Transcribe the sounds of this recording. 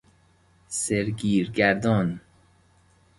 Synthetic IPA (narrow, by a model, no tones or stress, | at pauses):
seɾɡiːɾɡæɾd̪ɔːn